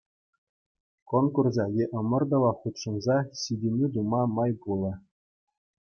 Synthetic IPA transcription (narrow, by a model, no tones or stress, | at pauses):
konkurzɑjʲeʔɤ̆mɤ̆rd̪ŏʋɑχut̪ʂɤ̆nzɑɕidʲemʲid̪umɑmɑjbulˠɤ̆